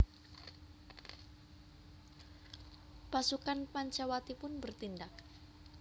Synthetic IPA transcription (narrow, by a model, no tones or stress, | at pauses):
pasukanpaɲt͡ʃawat̪ipʊnbərt̪indak̚